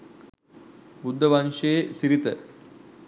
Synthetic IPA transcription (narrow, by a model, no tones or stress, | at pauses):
bud̪ʱːəʋɐnʂeːsiɾit̪ə